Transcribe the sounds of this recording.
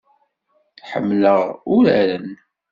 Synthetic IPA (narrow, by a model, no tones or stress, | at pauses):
ħə̰mːləʁʊɾæ̰ɾən